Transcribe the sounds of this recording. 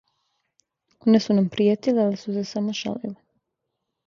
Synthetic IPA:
onesunampɾijet̪ilealisusesamoʃa̰lḭle

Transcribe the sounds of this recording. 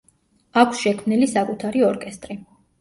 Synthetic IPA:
akʷʰsʃɛkʰmnilisakʼut̪ʰaɾiɔɾkʼɛst̪ʼɾi

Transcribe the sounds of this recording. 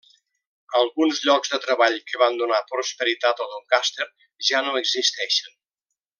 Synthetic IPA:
əlˠɣunzʎɔɡzðət̪ɾəβaʎkəβand̪unapɾuspəɾit̪at̪əlˠðəlˠkast̪eɾ | ʒanoəɡzist̪ɛʃən

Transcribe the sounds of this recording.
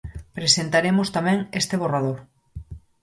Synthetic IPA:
pɾesent̪aɾemost̪amɛ̃ŋest̪eβ̞orað̞oɾ

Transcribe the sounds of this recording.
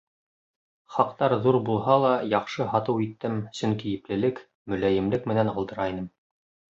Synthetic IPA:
χɑqt̪ɑɾðuɾbulˠɦɑlˠɑjɑqʃɤɦɑt̪ɤwit̪ːɘmsɵŋkijɘ̆plɘ̆lɘk | mɵ̆læjɘ̆mlɘkmɘ̆nænɑlˠd̪ɤ̆ɾɑinɤm

